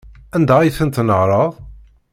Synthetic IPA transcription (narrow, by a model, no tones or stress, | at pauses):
ænd̪æijθənt̪nəʁɾˤəðˤ